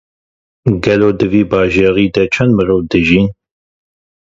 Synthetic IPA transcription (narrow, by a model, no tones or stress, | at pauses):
ɡɛloːd̪ɨviːbɑːʒeːʁiːd̪ɛt͡ʃʰɛnd̪mɨɾoːvd̪ɨʒiːn